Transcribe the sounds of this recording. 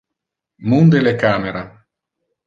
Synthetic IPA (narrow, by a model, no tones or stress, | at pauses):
mund̪elekaːmeɾa